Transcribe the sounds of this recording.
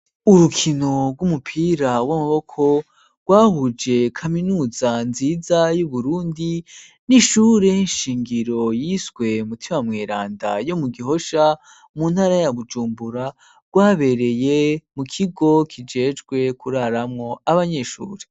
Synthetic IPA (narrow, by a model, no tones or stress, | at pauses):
uɾukʰino̞ɡɡwumupʰiɾawamuβo̞kʰo̞ | ɡ̥waːhud͡ʒe̞kʰaminuzanziːzajuβuɾuːndi | niʃuːɾeinʃiːŋɡiɾo̞jiswe̞mutʰimamŋeɾaːnda̰jo̞muɡiɦo̞ʃa | muːnhaːɾajaβud͡ʒuːmbuɾa | ɡ̥waːβe̞ɾe̞jemukʰiɡo̞kʰid͡ʒe̞ːd͡ʒɡwe̞kuɾaɾamŋo̞aβaɲe̞ʃṵːɾe